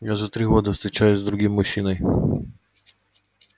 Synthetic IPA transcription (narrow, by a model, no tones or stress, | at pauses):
jaʐɛt̪ɾɪɦɔd̪ɪfst̪ɾʲɪt͡ʃajʊzʲd̪ɾʊɦʲimːʊʃinɔj